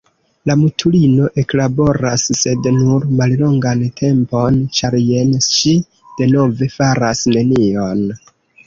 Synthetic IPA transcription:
lamutʰulino̞ʔe̞klabo̞ɾasːe̞dnuɾmallo̞ŋɡantʰe̞mpo̞nt͡ʃaɾje̞nʃi | d̥e̞no̞ve̞faɾasne̞nio̞n

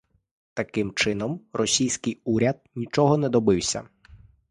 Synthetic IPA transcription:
t̪ɐkɪmt͡ʃɪn̪ɔmrɔsʲijsʲkɪjuɾʲɐd̪̚nʲit͡ʃɔɦɔnɛd̪ɔbɪwsʲɐ̰

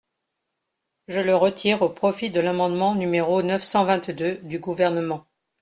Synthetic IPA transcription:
ʒələʁət̪ʰiʁopχɔfid̪əlamɑ̃d̪mɑ̃nymeʁonœfsɑ̃vɛ̃t̪d̪ød̪yɡuvɛʁnəmɑ̃

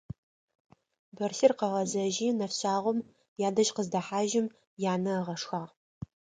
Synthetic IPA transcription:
bɐrɬɪrqɐʁɐzɐʒiːnɐfɕaːʁʷɔm | jaːdɐʒqəzdɐħaːʒɪm | jaːnɐʁɐʂxaːʁ

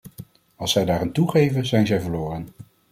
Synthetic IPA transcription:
ɑlˠsɛjdaːrantuχejvəzɛjnzɛjvəɹlʊːrən

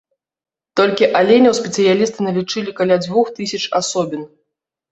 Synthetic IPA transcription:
t̪ɔlʲkʲiʔalʲenʲɐwspʲɛt̪sɨjalʲist̪ɨnɐlʲit͡ʂɨlʲikalʲad͡zʲvuxt̪ɨsʲɐt͡ʂasɔbʲin

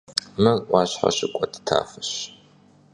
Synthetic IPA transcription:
mɨʔʷɑːɕħa̰ɕɪkʷʼɔdɨ̥tʰa̰ːfɨɕ

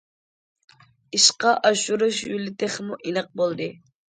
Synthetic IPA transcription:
iʃqɑʔɑʃuɾuʃjylɪt̪ʰɪχmuʔinɨq̚bolˠd̪ɨ

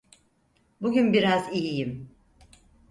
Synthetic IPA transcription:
buɟʲynbiɾazijijim

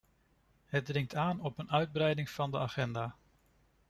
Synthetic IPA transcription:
ɦəd̚drɪŋtʰaːnɔpənœɥd̚brɛjdɪŋv̥ɑndəaːχɛndaː

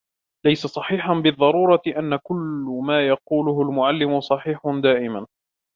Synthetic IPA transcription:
lajsasˤɑħiːħanbɨðˤːɑɾˤuːɾˤɑʔanːakʊlmaːjɑquːlʊɦʊlmʊʕalːɪmʊsˤɑħiːħʊd̪aːʔɪman

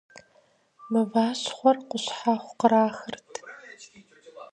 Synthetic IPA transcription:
mɨvaːɕχʷɔrqʷʊɕħaχʷqəɾaːxɨrtʰ

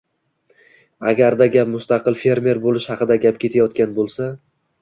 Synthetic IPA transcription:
aɡʲaɾd̪aɡʲapmʊst̪ɑqɨlˠfe̞ɾme̞ɾbolɪʃhɑqɨd̪aɡʲapkʲʰe̞t̪ʰajɒt̪kʲanbolˠsa

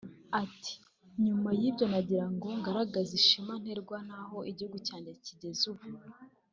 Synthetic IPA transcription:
atʰi̥ | ɲumajibjo̞naɟiɾaŋɡo̞ŋɡaɾaɡaziʃiman̥he̞ɾɡwanaɦo̞ʔiɟihuɡucaːɲɟeciɟe̞zuβu

